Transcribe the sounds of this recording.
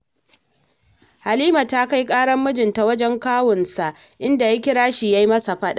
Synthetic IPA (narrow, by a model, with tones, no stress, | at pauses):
ha˨liː˦ma˨ta˦ka˦jkʼaː˦ɽɐ˦mːʊ˦d͡ʒɪ˨nta˨wɐ˦d͡ʒɛ˦ŋkaː˦wʊ˨nsa˨ʔ | ʔɪ˦nda˨ja˦kʲɪ˦ɽaː˦ʃi˨ja˦ji˦mɐ˦sa˨ɸɐ˦ɗa˦ʔ